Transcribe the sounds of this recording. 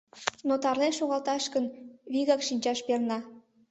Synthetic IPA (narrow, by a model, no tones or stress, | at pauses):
not̪ɑrlenʃoɣɑlt̪ɑʃkənβiɣɑkʃinʲt͡ɕɑʃpernɑ